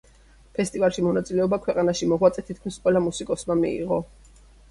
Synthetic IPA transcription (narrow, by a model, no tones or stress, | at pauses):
pʰɛst̪ʼivalˠʃimɔnat̪sʼilɛɔbakʰwɛqʼanaʃimɔʁwat̪sʼɛt̪ʰit̪̚kʰmisqʼwɛlamusikʼɔsmamḭḭʁɔ